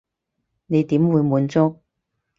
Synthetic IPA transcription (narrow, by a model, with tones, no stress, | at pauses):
ne˨˧jt̪iː˨˥mwu˨˧jmuː˨˧˥nt͡sʊ˥k̚